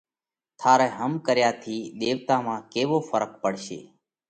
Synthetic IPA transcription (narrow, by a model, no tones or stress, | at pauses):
t̪ʰaːɾɛːɦəmkəɾjaːt̪ʰiːɗ̪eːʋt̪aːmãːkeːʋoːfəɾək̚pəɽ̤ʃḛː